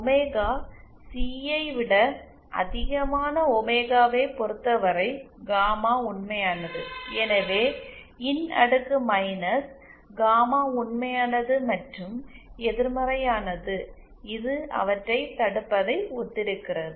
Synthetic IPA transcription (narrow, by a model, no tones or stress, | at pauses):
ɔmeːɣaː | siːɐɪʋɪɽɐ | ʔɐ̰ðɪɣɐmaːnɐɔmeːɣaːʋeːpɔɾɯt̪ːɐʋɐɾɐɪɡaːmaːʊɳmɐjaːnɐðɯɛnɐʋeː | ɪnɐ̰ɽɯkːɯmɐɪnɐs | ɡaːmaːʊɳmɐjaːnɐðɯmɐʈrɯmɛðɪɾmɐɾɐjaːnɐðɯ | ɪðɯɐ̰ʋɐʈrɐɪt̪ɐɽɯpːɐðɐɪɔt̪ːɪɽɯkːɪrɐðɯ